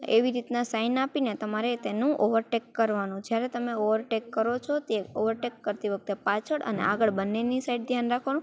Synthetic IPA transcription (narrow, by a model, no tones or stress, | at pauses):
eʋiɾit̪nasainapinet̪əmaɾet̪enũʔoʋəɾʈekːəɾʋanũd͡ʒjaɾet̪əmeoʋəɾʈekːəɾot͡ʃʰot̪eoʋəɾʈekːəɾt̪iʋək̚t̪epat͡ʃʰəɽʔə̰nḛaɡəɭbənːenisaiɖd̪ʱjanɾakʰʋanũ